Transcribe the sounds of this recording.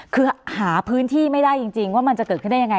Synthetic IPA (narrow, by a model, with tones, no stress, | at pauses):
kʰɯː˧haː˩˦pʰɯː˦˥nt̪ʰiː˥˩ma˥˩jda˥˩jt͡ɕi˧ŋt͡ɕi˧ŋwaː˥˩ma˧nt͡ɕa˨˩kɤː˨˩t̪̚ʰɯ˥˩da˥˩ja˧ŋ˧